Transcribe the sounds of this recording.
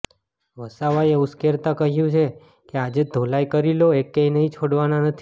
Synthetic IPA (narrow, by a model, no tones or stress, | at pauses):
ʋəsaʋajeuskeɾt̪akəɦjũt͡ʃʰe | kead͡ʒed̪ʱolajkəɾiloekːẽinəɦĩt͡ʃʰoɽʋananət̪ʰi